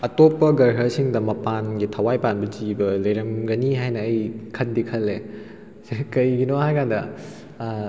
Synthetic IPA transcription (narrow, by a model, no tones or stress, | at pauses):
ɐtopːɐɡɐɾɦɐsiŋdɐmɐpanɡitʰɐwajpanbɐd͡ʒibɐlɐjɾɐmɡɐniɦajnɐɐjkʰɐndikʰɐlːe | sekɐjɡinohajkandɐ